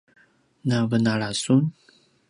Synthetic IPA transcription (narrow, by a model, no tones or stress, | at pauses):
navənalasun